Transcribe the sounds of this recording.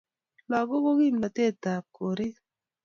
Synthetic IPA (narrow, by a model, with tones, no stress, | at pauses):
lɔ˨ɡo˦ko˦ɡi˦˨mna˨te˦˨ta˨p̚ko˨ɾɪ˦